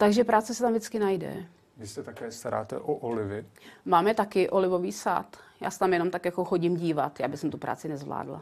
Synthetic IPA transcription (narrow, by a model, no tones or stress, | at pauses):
t̪aɡʒɛpɾaːt͡sɪsɛt̪amvdɪt͡skɪnajdɛ̰ | vɪsɛt̪akɛːst̪aɾa̰ːt̪ɛ̰ʔoʔolɪvɪmaːmɛt̪akɪʔo̞lɪvo̞viːsa̰ːt̪ja̰ːsɛ̥t̪amjɛno̞mt̪akjakoxoɟɪmɟiːvat̪jaːbɪsɛmt̪upɾa̰ːt͡sɪnɛzvla̰ːdla̰